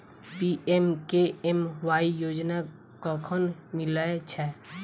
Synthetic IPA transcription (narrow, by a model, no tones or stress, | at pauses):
biʔemkeemʋaːijoːd͡ʒna | kɔkʰənmɪləet͡ʃʰɛ